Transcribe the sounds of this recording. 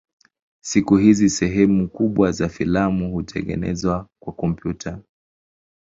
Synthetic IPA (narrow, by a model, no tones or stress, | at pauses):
sikuɦizisɛɦɛmukuɓwazafilamuhutʰɛ̰ŋɡɛ̰nɛ̰zwakwakɔmpjutʰa